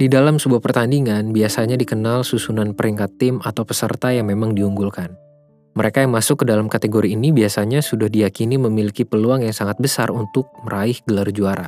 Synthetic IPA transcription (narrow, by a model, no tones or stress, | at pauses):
didalamsəbuahpərt̪andiŋanbiasaɲadikənalsusunanpəɾiŋkat̪ːɪmat̪awpəsə̰rt̪ajaŋmemaŋdiuŋɡulkan | məɾekajaŋmasʊkːədalamkat̪eɡoɾiːnibiasaɲasudahdijakiniməmilikipəluaŋjaŋsaŋat̪̚bəsa̰runt̪ʊk̚məɾaɪhɡəlard͡ʒuaɾa